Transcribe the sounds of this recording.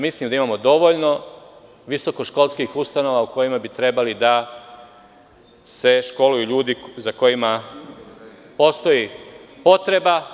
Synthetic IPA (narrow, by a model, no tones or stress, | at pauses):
mislimd̪aimaːmo̞d̪o̞ʋo̞ʎno̞ | ʋiso̞ko̞ʃko̞lˠskixust̪ano̞ʋauko̞jimabit̪ɾe̞balid̪a | se̞ʃko̞lujuʎuːd̪izako̞jima | po̞st̪o̞jipo̞t̪ɾe̞ba